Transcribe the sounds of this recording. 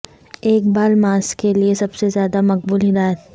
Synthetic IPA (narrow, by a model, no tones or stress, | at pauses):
eːk̚baːlmaːskeliesɐbsezjaːd̪amɐq̚buːlɦɪd̪aːjt̪